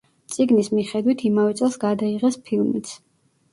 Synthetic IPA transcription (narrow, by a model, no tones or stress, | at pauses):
t̪sʼiɡnismiχɛd̪wit̪ʰimavɛt̪sʼɛlˠsɡad̪aiʁɛspʰilˠmit̪sʰ